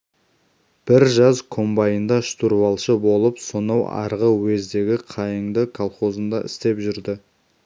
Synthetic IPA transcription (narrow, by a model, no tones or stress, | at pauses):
b̥ɪɾʒɑzkʰo̞mbɑjənd̪ɑʃt̪uɾβɑlˠʃəbo̞lˠəpsonɑwɑ̰ɾʁəwezd̪e̞ɡʲɪqʰɑjəɴd̪əkʰalˠχo̞zənd̪ɑʔɪ̰st̪e̞pʒʏɾd̪ɪ